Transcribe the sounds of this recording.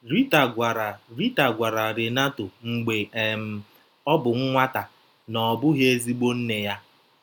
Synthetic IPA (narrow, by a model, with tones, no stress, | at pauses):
ɾi˦ta˨ɡʷa˨ɾa˨ɾi˦ta˨ɡʷa˨ɾa˨ɾe˨na˦to˨ŋ͡m̩˨ɡ͡be˨e˨m̩˨ | ɔ˦bʊ˨ŋ̩˦ŋʷa˦ta˨ | nɔ˨bʊ˦ɦe˦e˦zi˦ɡ͡bo˦n̩˦ne˨ja˦